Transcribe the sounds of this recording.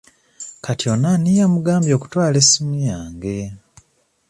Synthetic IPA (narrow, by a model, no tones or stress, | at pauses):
katjonanijamuɡaːmbjo̞ːku̥twaːlesimijaːŋɡe̞